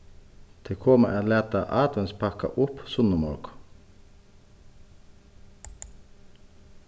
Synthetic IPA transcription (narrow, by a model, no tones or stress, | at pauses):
t̪ʰekʰoːmə̰ʔæːleːt̪ɑʔɑːt̪ənspʰɑkɑ̰ʔʊpsʊnəmɔ̰ːk